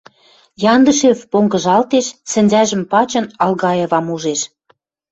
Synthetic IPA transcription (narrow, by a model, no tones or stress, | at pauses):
jɑnd̪ə̆ʃevpoŋɡə̆ʒɑlt̪eʃsɘ̆nʲzæʒə̆mpɑt͡ɕɤ̆nɑlɣɑjeβɑmuʒeʃ